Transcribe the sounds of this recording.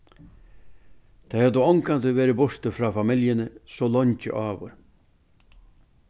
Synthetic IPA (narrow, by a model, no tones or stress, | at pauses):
t̪ʰajhad̪əɔŋkant̪əʋeːɾɪbɔʂt̪əfɾaːfamɪljənəsɔlɔɲcɪ̰ʔaːʋʊ̰ɾ